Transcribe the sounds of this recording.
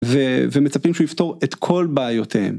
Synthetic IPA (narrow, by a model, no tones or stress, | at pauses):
vevemet͡sapimʃuift̪o̞ʁet̪kʰo̞lbaːjot̪ʰehḛm